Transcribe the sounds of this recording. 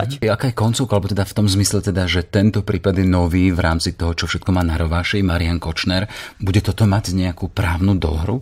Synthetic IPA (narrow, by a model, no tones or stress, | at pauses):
aakaːjɛkɔnt͡sɔʊkaalɛbɔt̪ɛd̪aft̪ɔmzmislɛt̪ɛd̪aʒɛt̪ɛnt̪ɔpɾiːpad̪jɛnɔʋiːvɾaːmt͡sit̪ɔɦɔt͡ʃɔfʃɛt̪kɔmaːnaɾɔʋaːʃimaɾɪankɔt͡ʃnɛɾbuɟɛt̪ɔt̪ɔmaɟɲɛakuːpɾaːʊnud̪ɔ̰ɦɾṵ